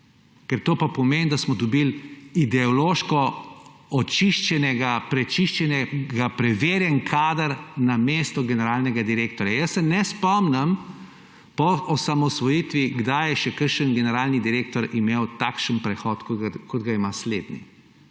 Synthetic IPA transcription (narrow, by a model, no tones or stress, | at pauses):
kɛɾt̪oːpapɔmend̪asmɔd̪ɔbilid̪ɛɔloːʃkɔ | ɔt͡ʃiʃt͡ʃɛnɛɡapɾɛt͡ʃiʃt͡ʃɛnɛɡapɾɛʋeːɾjɛnkʰaːd̪əɾnameːst̪ɔɡɛnɛɾaːlnɛɡad̪iɾeːkt̪ɔɾjajəsːɛnɛspɔmnɐm | pɔʔɔsamɔsʋɔjit̪ʋiɡd̪ajɛʃɛkəɾʃənɡɛnɛɾaːlnid̪iɾeːkt̪ɔɾimeːwt̪akʃənpɾɛxɔt̪kkɔd̪ɡaimasleːd̪nḭ